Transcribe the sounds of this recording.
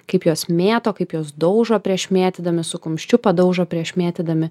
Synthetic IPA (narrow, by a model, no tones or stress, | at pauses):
kɐɪpjoːsmʲeːt̪oːkɐɪpjoːsd̪ɔʊʒoːpʲɾʲiɛʃmʲeːt̪ʲɪd̪ɐmʲɪsʊkʊmʲʃʲt͡ʃʲʊpɐd̪ɒʊʒoːpʲɾʲiɛʃmʲæːt̪ʲɪd̪ɐmʲɪ